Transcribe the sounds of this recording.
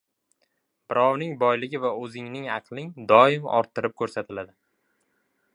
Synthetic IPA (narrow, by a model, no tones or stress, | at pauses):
bɪɾɒwnɪŋbɒjlɪɡʲɪvaɵzɪŋnɪŋɑqlˠɪŋd̪ɒɪmɒ̰ɾt̪ʰːɪɾɪp̚kʰɵɾsat̪ʰɪlad̪ɪ